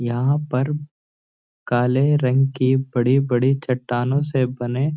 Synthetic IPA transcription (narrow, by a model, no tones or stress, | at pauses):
jɐɦãpɐɾ | kaːleɾɐ̃ŋɡkibɐɽibɐɽit͡ʃɐʈːaːnõsebɐnẽː